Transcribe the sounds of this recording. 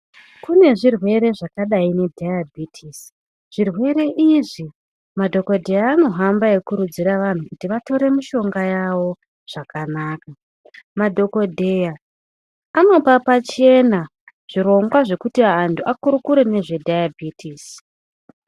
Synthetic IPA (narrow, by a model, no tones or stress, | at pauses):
kune̞ʐirwe̞ɾe̞ʐakaɗaine̞dʱajabʱitʰis | ʐ̥irwe̞ɾe̞ʔiʐi | madʱo̞ko̞dʱe̞jaːno̞ɦambaje̞kuɾud͡ziɾaʋan̤ukutiʋato̞ɾe̞miʃo̞ŋɡajaʋo̞ | ʐ̥akanaːka | madʱo̞ko̞dʱe̞jaː | no̞papat͡ʃe̞na | ʐ̥iɾo̞ŋɡwaʐe̞kutiaːntʰuʔakuɾukuɾene̞ʐe̞dʱajabʱitʰiːs